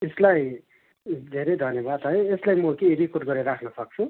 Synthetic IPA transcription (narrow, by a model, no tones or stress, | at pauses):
eslaj | d̪ʱeɾejd̪ʱʌnjebad̪ɦʌjeslajmʌkerikoʈɡʌɾeɾakʰnʌsʌk̚t͡sʰu